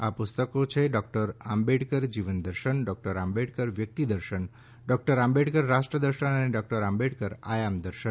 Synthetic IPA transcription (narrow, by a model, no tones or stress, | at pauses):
apust̪ɔkot͡ʃʰeɖɔk̚ʈəɾambeɖkəɾd͡ʒiʋənd̪əɾʃənɖɔk̚ʈəɾambeɖkəɾʋjək̚t̪id̪əɾʃən | ɖɔk̚ʈəɾambeɖkəɾːasʈɾəd̪əɾʃənəneɖɔk̚ʈəɾambeɽkəɾajamd̪əɾʃən